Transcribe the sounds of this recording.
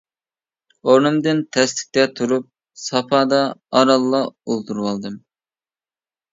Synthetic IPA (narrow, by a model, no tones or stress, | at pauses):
oɾnɨmd̪ɨnt̪ʰɛst̪ɪ̥k̚ʲt̪ɛt̪ʰuɾup̚ | sɑpʰɑːd̪ɑɑɾɑlˠːɑolˠt̪ʰuɾwɑlˠd̪ɨm